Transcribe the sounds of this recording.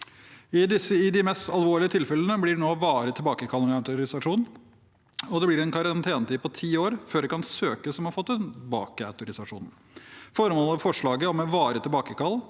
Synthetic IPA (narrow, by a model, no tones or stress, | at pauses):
ɪd̪ɪsːəɪd̪ɪmɛst̪ɑlʋoːɭɪət̪ʰɪlfɛlənəblɪɖnoːʋɑːɾət̪ʰɪlbɑːkəkʰɑlæt̪ʊɾɪsɑʂuːn | ɔd̪ɛblɪɾɛnkʰɑɾɑnt̪ʰeːnət̪iːpʰɔt̪ʰiːoːɾføːɖɛkʰɑnsøːkəsɔmhɑɾfɔt̪ːɛnbɑ̰ːkəæ̰ʉt̪ʊɾɪsɑʂṵːn | fɔɾəmoːlɔʋfɔʂɭɑːɡəɔmɛʋɑːɾət̪ʰɪlbɑːkəkɑl